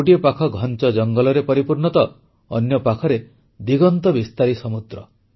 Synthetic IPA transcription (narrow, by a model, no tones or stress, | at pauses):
oʈiɔpakʰɔɡʱɔnt͡ʃɔd͡ʒɔŋɡɔlɔɾepɔɾipuɾɳɔt̪ɔ | ɔnjɔpakʰɔɾe | d̪iɡɔnt̪ɔbist̪aɾisɔmud̪ɾɔ